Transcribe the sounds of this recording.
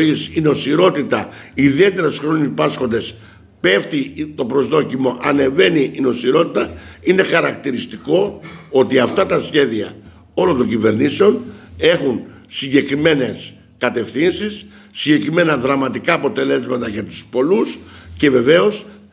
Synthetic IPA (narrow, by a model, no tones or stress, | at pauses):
isino̞siɾo̞t̪it̪ɐiðie̞t̪e̞ɾɐsxɾonpɐsxo̞nd̪e̞s | pe̞ft̪it̪o̞pɾo̞zðo̞cimo̞ʔɐne̞ve̞niʔːno̞siɾo̞t̪it̪ɐine̞xɐɾɐkt̪iɾist̪iko̞o̞t̪iɐft̪ɐt̪ɐsçe̞ðiɐ̰ | o̞lo̞nt̪o̞ɲɟive̞ɾniseo̞ne̞xun | siɲɟe̞kɾime̞ne̞s | kɐt̪e̞fθinsisː | iɲɟe̞kɾime̞nɐðɾɐmɐt̪ikɐːpo̞t̪e̞le̞zmɐt̪ɐʝɐt̪u̥spo̞lusce̞ve̞ve̞o̞s